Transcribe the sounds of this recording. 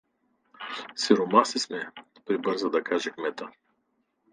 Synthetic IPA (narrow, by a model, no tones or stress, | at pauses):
siɾomasismɛpɾibɤɾzəd̪ɐkaʒɛkmɛt̪ə